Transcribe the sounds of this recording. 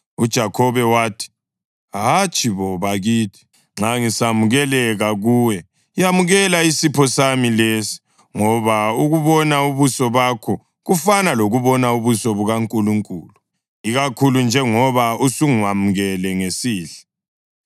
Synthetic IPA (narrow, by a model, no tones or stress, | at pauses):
ud̥ʒ̥ʱakʰɔβɛwaːtʰi̥ | ɦat͡ʃʼiβɔβaɣiːtʰi̥ | ŋ͡ǁaŋisamuɣɛlɛɣaɣuːwɛ | jamuɣɛlaisipʰɔsamilesi̥ | ŋɔβauɣuβɔnauβusɔβakʰɔ | ɣufanaloɣuβɔnauβusɔβuɣaŋkʼuluŋkʼuːlu | iɣakʰulund͡ʒʱɛŋɔβausuŋwamuɣɛlɛŋesiːɬɛ̥